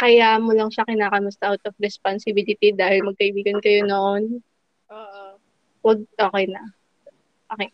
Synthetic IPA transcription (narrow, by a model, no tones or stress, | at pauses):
kɐjaʔmolɐŋʃakɪnaːkɐmʊst̪ɐʔawt̪ofɾɛsponsɪbilɪt̪id̪aːhɪlmɐɡ̚kɐʔɪbiːɡɐnkɐjonoʔn | ʔoːʔ | wɐɡ̚ʔoːkɛjnɐ | okɛ